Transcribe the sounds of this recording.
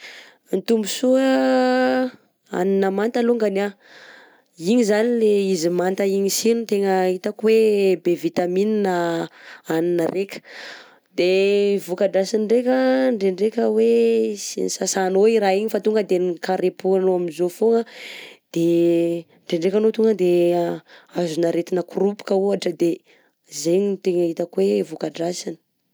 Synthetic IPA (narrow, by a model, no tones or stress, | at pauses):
nt̪umbusuə | a̰ninəmant̪aluŋɡana | iɲizanileizimant̪əiɲisinut̪eŋəit̪akwebevit̪amininə | aninərekʲə̥ | d̪evukaɖ͡ʐasiɳɖ͡ʐekʲəɳɖ͡ʐeɳɖ͡ʐekʲəwesḭnisasaːnoiɾaiɲifat̪uŋɡəd̪enikaɾepualoaminzofoŋəd̪̥e | ɳɖ͡ʐeɳɖ͡ʐekanot̪uŋɡəd̪e | azunaɾet̪inəkrupi̥kəuɦaʈ͡ʂəd̪e | zeɲit̪eŋaɦit̪əkwevukaɖ͡ʐasini̥